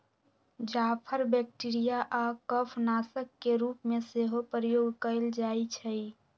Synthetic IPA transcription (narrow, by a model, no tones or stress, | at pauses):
d͡ʒaːpʰəɾbɛk̚ʈiɾijaʔakəpʰnaːsəkːeɾuːpmẽseɦopəɾijoːɡkəld͡ʒaːit͡ʃʰəi